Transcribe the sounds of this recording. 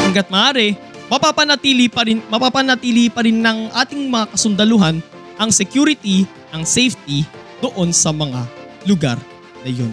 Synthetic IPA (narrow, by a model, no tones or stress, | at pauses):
ʔɐŋɡɐt̪̚mɐʔaːɾɛ | mɐpapɐnɐt̪iːlipɐɾɪmɐpapɐnɐt̪iːlipɐɾɪnːɐŋʔaːt̪ɪŋmɐŋakɐsʊnd̪ɐlʊɦan | ʔɐŋsɛkjuːɾɪt̪i | nɐŋsɛjft̪̚i | d̪̥oʔo̞nsɐmɐŋa̰lʊɡa̰ɾ | nɐjo̞̰n